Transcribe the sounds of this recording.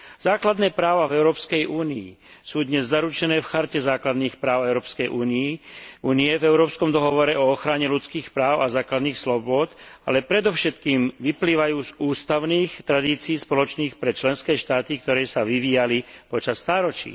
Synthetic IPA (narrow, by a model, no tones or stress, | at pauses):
z̥aːklad̪nɛːpɾaːʋavɛʊɾɔːpskɛjʔuːniḭ | suːd̪ɲɛzːaɾut͡ʃɛnɛːfxaɾcɛzaːklad̪niːxpɾaːʊɛʊɾɔːpskɛjʔuːniːuːniɛvɛʊɾɔːpskɔmd̪ɔɦɔʋɔɾɛʔɔɔxɾaɲɛlut͡skiːxpɾaːʊazaːklad̪niːxslɔbʊɔt̪a̰lɛpɾɛd̪ɔʊʃɛt̪kiːmʋipliːʋajuːzuːst̪aʊniːxt̪ɾad̪iːt͡siːspɔlɔt͡ʃniːxpɾɛt͡ʃlɛnskɛːʃt̪aːt̪ikt̪ɔɾɛːsaʋiʋiːjalipɔt͡ʃast̪aːɾɔt͡ʃḭ